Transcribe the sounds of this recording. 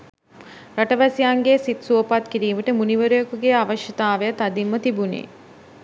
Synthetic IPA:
ɾaʈəʋæsijaŋɡeːsit̪suopat̪kiɾiːməʈəmuniʋəɾujokuɡeaʋəʃjɐt̪aːʋeət̪ad̪imːət̪ibunḛː

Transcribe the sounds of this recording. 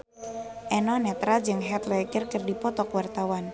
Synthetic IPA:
ʔɛnɔnɛt̪ɾad͡ʒɨŋɦɛt̪lɛkərkərdipɔt̪ɔkwart̪awan

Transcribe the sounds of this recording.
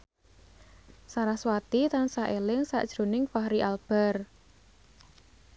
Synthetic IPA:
saɾahswat̪it̪ansaʔelɪŋsa̰ʔd̥ʒ̥ɾo̤nɪŋfahɾiʔalb̥ɛ̤r

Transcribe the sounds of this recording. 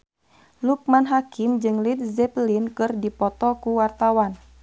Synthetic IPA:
luk̚manɦakimd͡ʒɨŋlit̪̚zɛplinkɨrdipɔt̪ɔkuwart̪awan

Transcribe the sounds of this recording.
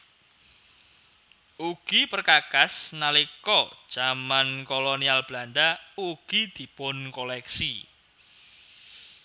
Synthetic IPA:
uɡ̥ipərkakasnalikɔd̥ʒ̥amankolonialb̥lanɖauɡ̥id̪̥i̤pʊnkolɛksi

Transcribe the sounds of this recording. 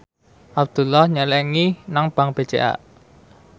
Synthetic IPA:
ʔap̚d̪̥ṳlːɔhɲəlɛŋinaŋb̥a̤ŋb̥e̤d̥t͡ʃeʔa̰ʔ

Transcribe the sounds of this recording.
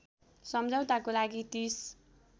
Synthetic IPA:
sʌmd͡zaw̃t̪akolaɡit̪is

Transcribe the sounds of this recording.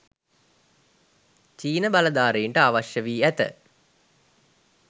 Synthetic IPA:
t͡ʃiːnəbaləd̪aːɾeiɳʈəaʋaʃjəʋiːæt̪ə̰

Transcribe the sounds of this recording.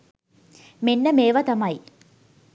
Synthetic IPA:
menːəmeːʋɐt̪ɐmɐj

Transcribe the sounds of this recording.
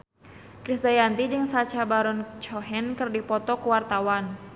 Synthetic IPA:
kɾisd̪ajant̪id͡ʒɨŋsat͡ʃabaɾɔnt͡ʃɔɦɛnkərdipɔt̪ɔkəwart̪awan

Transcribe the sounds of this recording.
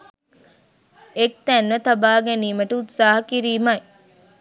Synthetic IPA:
ek̚t̪ænʋət̪ɐbaːɡeniːməʈəut̪saːɦɐkiɾiːmɐj

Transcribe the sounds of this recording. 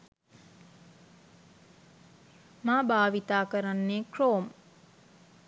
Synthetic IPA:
maːbaːʋit̪aːkəɾanːeːkroːm

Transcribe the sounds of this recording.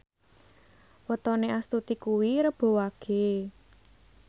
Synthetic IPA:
wət̪ɔneʔast̪ut̪ikuwiɾəb̥o̤waɡ̥e̤

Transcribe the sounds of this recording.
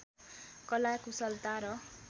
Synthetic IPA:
kʌlakusʌlt̪aɾʌ

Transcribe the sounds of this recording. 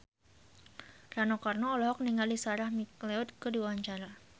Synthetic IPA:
ranokarnɔːlɔɦɔk̚niŋalisaɾahmikleɔt̪̚kədiwaaɲt͡ʃaɾa

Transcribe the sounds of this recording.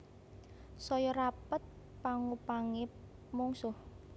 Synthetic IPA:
sɔjɔɾapət̪̚ | paŋupaŋe | muŋsʊh

